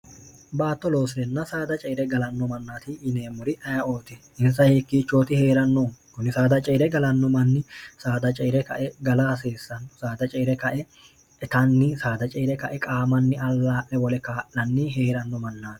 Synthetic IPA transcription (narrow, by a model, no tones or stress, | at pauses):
baːt̪ːɔlo̞ːsɪɾɛnːɐsaːd̪ɐt͡ʃʼɛːɾɛɡɐlɐnːɔmɐnːaːt̪ɪːneːmʊɾɪʔɐjɐʔo̞ːt̪ɛ | ɪnsɐjhɛkːiːt͡ʃːo̞ːt̪ɪhe̞ːɾɐnːoːkʊnɪsaːd̪ɐt͡ʃʼɛːɾɛɡɐlɐnːɔmɐnːɪsaːd̪ɐt͡ʃʼɛːɾɛkɐʔɛɡɐlaːse̞ːsːɐnsaːd̪ɐt͡ʃʼeːɾɛkɐʔɛ | ɛt̪ɐnːɪsaːd̪ɐt͡ʃʼɛːɾɛkɐʔɛkʼaːmɐnːɪɐlːaːʔɛwɔlɛkaːʔːɐnːɪɦeːɾɐnːɔmɐnːaːt̪